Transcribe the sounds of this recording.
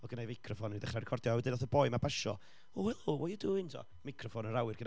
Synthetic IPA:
ɔɡənejvmakʰrɔfɔnniðɛχarɛkʰɔrdjɔawɛdɪdɔθəbɔɨmabaʃɔ | ɔwɛlˠwɔjəduɪ̃ŋtʰɔ̰ | makʰrɔfɔnəɾawɨrɡən

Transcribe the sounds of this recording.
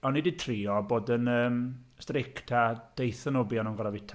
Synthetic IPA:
ɔnːiditʰriːɔboːdənəːmstrɪktʰad̥ejθənobiɔnɔnŋɡɔɾavɪtʰ

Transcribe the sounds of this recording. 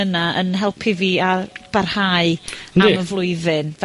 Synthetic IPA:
ənaʔə̰nɦɛlˠpʰɨviːab̥arhaːɨnaiməvlˠʊɨðɪnv

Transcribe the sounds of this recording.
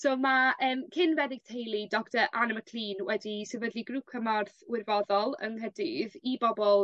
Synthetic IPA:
somaəːmkʰɪnvɛdɪɡ̥̚tʰejlˠidɔktəʔanəməkʰl̥iːnwɛdisɛvədlˠiɡruːkʰəmarθwɪrvɔðɔlˠə̰ŋɦɛdɪðibɔbɔlˠ

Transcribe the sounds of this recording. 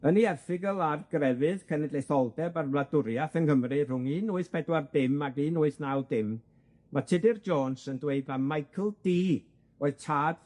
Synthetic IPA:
əniɛrθɪɡəlˠarɡrɛvɨðkʰɛnɛdlejθɔlˠdɛbarvladʊɾjaθənkəmrɨrʊŋiːnʊɨθpʰɛdward̥ɪmaɡiːnʊːɨθnawldɪm | matʰɪdɪrd͡ʒɔːnsəndweɨbamajkʰəlˠd̥iː | oːɨð̥tʰaːd

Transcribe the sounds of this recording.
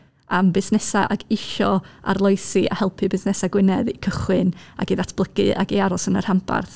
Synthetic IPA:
ambɪsnɛsaʔaɡɪʃɔa̰rlˠɔɨsiʔa̰hɛlˠpʰɨbɪsnɛsaɡwɪnɛðikʰəχwɨna̰ɡiðatʰb̥lˠəɡ̥ɨa̰ɡiaɾɔsənər̥hampʰa̰rθ

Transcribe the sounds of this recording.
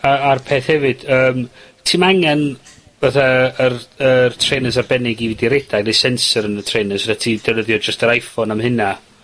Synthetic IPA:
aarpʰeːθhɛvɨd̥əːmtʰimaŋɛn | vaθaərərtʰrejnəs̬arbɛnɪɡividiɾɛd̥anejsɛnsəɾənətʰr̥ejnəsvaðatʰiːdənəðjɔd͡ʒəstəɾajfɔnamhɨna

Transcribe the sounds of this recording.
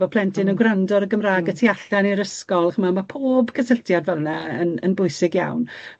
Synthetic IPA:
ɔpʰlˠɛntʰɪnəɡrandɔɾəɡəmraːɡətʰiaɬaniɾəskɔlˠχəmamapʰoːbkʰəsəɬtʰjadvɛlˠnaənə̰nbʊɨsɪɡja̰wn

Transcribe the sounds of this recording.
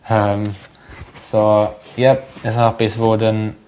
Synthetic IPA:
əm | sojɛp̚ɪsapisvoːdə̃n

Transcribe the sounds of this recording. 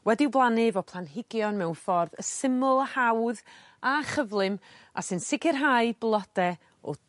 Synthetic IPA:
wɛdɪwblˠanɪvɔpʰlˠanɦɪɡjɔnmɛwnfɔrðəsɪmʊlˠəhawð | aχəvlˠɨm | a̰sɨnsɪkʰɪrɦaɨblˠɔd̥ɛ | ɔ̰

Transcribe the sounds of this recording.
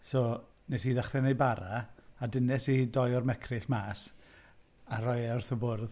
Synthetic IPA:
soː | nɛsiðaχrɛnejbaɾaadɪnɛsidɔjɔrmɛkʰrɪɬmaːs | aɾɔjɔrθɔbʊrð

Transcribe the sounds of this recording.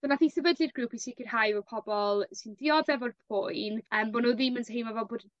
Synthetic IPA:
sɔnaθiːsəbədlɨrɡɾuːpʰisɪkʰɪrhajvɔpʰɔbɔlˠsɪndɪɔðɛvɔrpʰʊjnəːmbonoðɪməntʰɦemavɛlˠboːd

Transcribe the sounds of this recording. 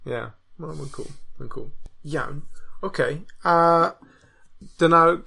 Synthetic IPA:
jæ̰ | mãmãɪnkʰṵːlˠmãɪ̃nkʰṵːlˠjã̰moʊkʰeɪʌ | d̥ənaʊ

